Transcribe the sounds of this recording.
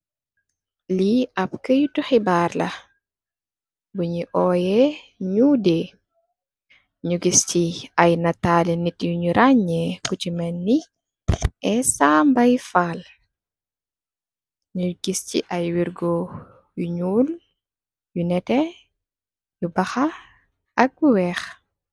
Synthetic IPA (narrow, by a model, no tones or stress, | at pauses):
liɐpkəjutuxibaːɾlɐ | buɲiʔɔːjɛ | ɲudɛ | ɲuɡistiajnataːlɛnitjuɲuɾʔaɲːɛkut͡ʃimɐnːi | ʔɛsaːmbɐjfaːl | ɲuɡ̥istḭʔɐjwiɾɡɔ | juɲuːl | junɛtɛ | jubɐxa | ʔɐɡ̚juwɛx